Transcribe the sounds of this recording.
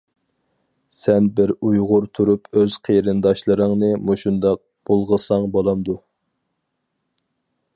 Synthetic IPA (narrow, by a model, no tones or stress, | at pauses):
sɛnbɪɾujʁʊɾt̪ʰuɾupøz̥qʰeɾɨnd̪ɑʃlˠɨɾəŋnɨmoʃund̪ɑq̚ | b̥olˠʁəsɑŋbolˠɑmd̪u